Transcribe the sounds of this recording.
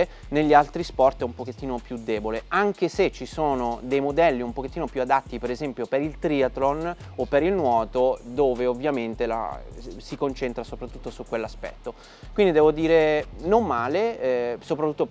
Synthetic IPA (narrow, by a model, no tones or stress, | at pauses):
neʎːialt̪ɾispɔrt̪ɛumpok̟et̪ːiːnopjud̪eːboleaŋk̟eset͡ʃːisoːnod̪ejmod̪ɛlːiumpok̟et̪ːiːnopjuad̪at̪ːipeɾezɛmpjopeɾilt̪ɾiːat̪lon | opːeɾilnwɔːt̪od̪oːveovːjament̪ela̰sikont͡ʃent̪ɾasopɾat̪ːut̪ːosukːwelːaspɛ̰t̪ːo | kwind̪id̪ɛːvod̪iːɾenomːaːleɛsopɾat̪ːut̪ːo